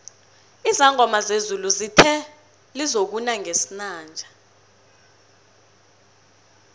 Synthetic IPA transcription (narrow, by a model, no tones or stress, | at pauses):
izaŋʱɔmazezuluzitʰɛ | lizok̬unaŋʱesinaːnd͡ʒʱa